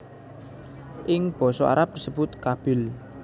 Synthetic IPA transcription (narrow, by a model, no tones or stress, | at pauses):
ʔɪŋb̥ɔ̤sɔʔa̰ɾap̚d̥̪isəb̥ʊt̪kab̥ɪ̤l